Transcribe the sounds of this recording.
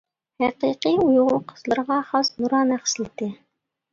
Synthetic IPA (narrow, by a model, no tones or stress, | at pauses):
hæqiqiujʁʊqʰə̥zlˠɨɾʁɑχɑsnuɾɑːnæχsɪlɪt̪ɪ